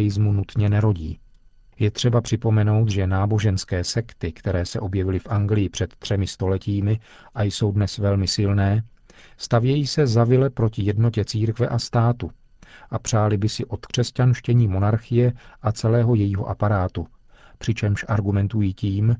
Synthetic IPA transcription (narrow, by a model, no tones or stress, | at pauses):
jɪzmunut̪ɲɛnɛɾo̞ɟḭː | jɛt̪r̝̥ɛbapr̝̥ɪpo̞mɛno̞wt̪ʒɛnaːbo̞ʒɛnskɛːsɛkt̪ɪkt̪ɛɾɛːsɛ̰ʔo̞bjɛvɪlɪfʔaŋɡlɪjɪpr̥ɛt̪ːr̥ɛmɪst̪o̞lɛciːmɪ | ʔajso̞wdnɛsvɛlmɪsɪlnɛː | st̪avjɛjiːsɛzavɪlɛpɾo̞cɪjɛdno̞cɛt͡siːɾkvɛʔast̪aːt̪u | ʔapr̥aːlɪbɪsɪʔo̞t̪kr̝̥ɛscanʃcɛɲiːmo̞naɾxɪjɛʔat͡sɛlɛːɦo̞jɛjiːɦoʔapaɾaːt̪u | pr̝̥ɪt͡ʃɛmʃʔaɾɡumɛnt̪ujiːciːm